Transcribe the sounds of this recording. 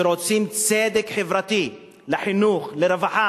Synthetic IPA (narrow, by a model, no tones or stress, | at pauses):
ɾot͡simt͡sed̪ekħevɾat̪i | leħinuχleɾevaħa